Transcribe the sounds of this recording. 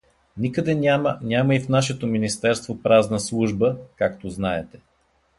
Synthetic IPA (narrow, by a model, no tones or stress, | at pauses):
nikəd̪ɛnʲamnʲaməifnaʃɛt̪ominist̪ɛɾst̪vopɾaznəslˠuʒbəkakt̪oznaɛt̪ɛ̥